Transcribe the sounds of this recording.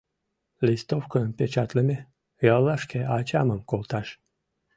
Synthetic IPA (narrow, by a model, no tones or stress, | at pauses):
lʲist̪ofkoəmpʲet͡ɕat̪lemʲe | jɑlˠːɑʃkʲeʔat͡ɕaməmkolˠt̪ɑʃ